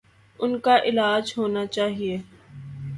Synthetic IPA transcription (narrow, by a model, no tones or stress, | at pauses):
ʊnkaʔɪlaːd͡ʒɦoːnat͡ʃaːɦieː